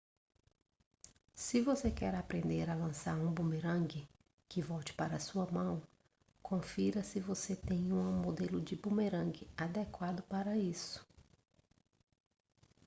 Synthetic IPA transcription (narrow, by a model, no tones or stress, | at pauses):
sɪvosekɛɾapɾẽnd̪eɾalɐ̃saɾũbũmeɾɐ̃ɡɪ | kɪvɔwt͡ʃɪ̥paɾɐːsuɐmɐ̃w̃ | kʰõfiɾɐsɪvoset̪ẽj̃ũmod̪elʊd͡ʒɪbũmeɾɐ̃ŋɡɪad̪ekwad̪ʊpaɾɐisʊ̥